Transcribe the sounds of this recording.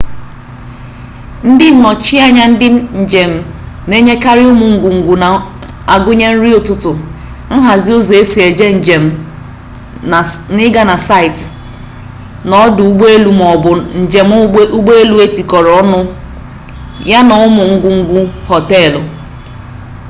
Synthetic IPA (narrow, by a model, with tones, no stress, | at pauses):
n̩˦dɪ˦˨nɔ˨t͡ʃi˦a˦ɲa˦n̩˦dɪ˦n̩˨d͡ʒe˨m̩˨ne˦ɲe˦ka˦ɾɪ˦ʊ˦mʊ˨ŋ̩˨ɡu˨ŋ̩˨ɡu˨na˨ | a˨ɡʊ˦ɲe˦n̩˦ɾi˦ʊ˨tʊ˦tʊ˨ | n̩˦ɦa˨zi˦o˦zo˨e˦si˨e˨d͡ʒe˦n̩˨d͡ʒe˨m̩˨ | nɪ˦ɡa˦na˨sa˦ɪ˨t | nɔ˦dʊ˨u˦ɡ͡be˦e˦lu˨m˨ʊ˨d͡ʒe˨m˦u˦ɡ͡be˦e˦lu˦e˦ti˨kɔ˨ɾɔ˨˦nʊ˦ | ja˦nɔ˨ʊ˦mʊ˨ŋ̩˦ɡu˨ŋ̩˦ɡʷu˦hɔ˨te˦˨l